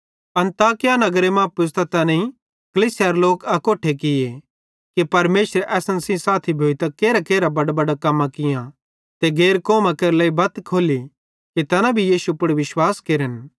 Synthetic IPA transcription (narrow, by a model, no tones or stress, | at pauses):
ɐ̃nt̪aːkɪjanɐɡɾemãpʊst̪ɐt̪ɐnẽi | kɐliːsɪjaɾloːkɐkoːʈʰekɪje | kipɐɾmeːʃɾeʔɛːsənsĩsaːt̪ʰibʱoːit̪ɐkeːɾakeːɾabɐɖbɐɖakɐmːãkɪjã | t̪eɡeːɾkoːmãkeːɾlɐːibɐt̪kʰoːli | kit̪ɐnãbʱijiːsupʊɽʋɪʃwaːskeːɾən